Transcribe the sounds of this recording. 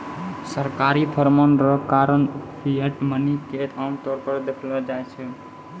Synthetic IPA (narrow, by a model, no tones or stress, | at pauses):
səɾkaɾipʰəɾmənɾəkaɾənpʰieʈməniket̪ʰant̪ɔɾpəɾd̪ekʰlɔd͡ʒajt͡ʃʰɛ